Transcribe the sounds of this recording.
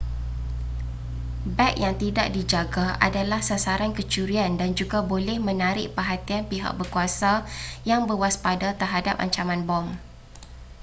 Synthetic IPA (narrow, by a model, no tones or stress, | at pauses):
bɛkjaŋt̪ida̰ʔ̚did͡ʒaɡaʔa̰dalahsasaɾankət͡ʃuɾiandand͡ʒuɡabolɛhmə̃naɾɪʔpəɦat̪ianpiɦa̰ʔ̚bərkuasajaŋbəwaspadat̪ərɦadap̚a̰ɲt͡ʃamãnbɔm